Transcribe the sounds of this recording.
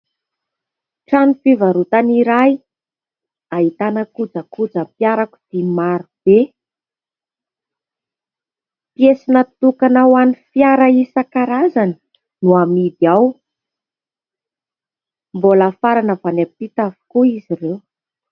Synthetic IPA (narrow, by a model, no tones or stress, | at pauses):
ʈ͡ʂanifivaɾut̪aniɾaj | ait̪anəkud͡zəkud͡zəmpjaɾaku̥d̪̥imaɾub̥e | pijesinət̪ukanawanifiaɾaisakaɾazanə̥ | nuamid̪iaw | mbolafaɾanəvanepit̪avu̥kuizirew